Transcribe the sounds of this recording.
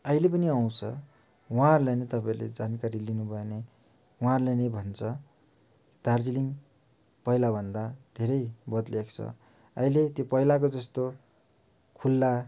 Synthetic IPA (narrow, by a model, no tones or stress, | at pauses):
ʌilepʌniaw̃t͡sʰʌ̰ | wʌɦãrlanet̪ʌpaĩrlḛd͡zankaɾilinubʱʌene | wuɦãrlenʌbʱʌnt͡sʰʌ | d̪ʱard͡ziliŋ | pʌɦilabʱʌnd̪ad̪ʱeɾʌjbʌt̪lekʰt͡sʰʌ̰ | ʌ̰ilet̪jopʌilak̬od͡zʌst̪o | kʰulːa